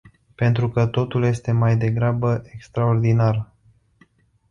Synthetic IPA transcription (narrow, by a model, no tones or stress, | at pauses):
pe̞nt̪ɾukət̪o̞t̪ulje̞st̪e̞majd̪e̞ɡɾabəʔekst̪ɾaord̪inar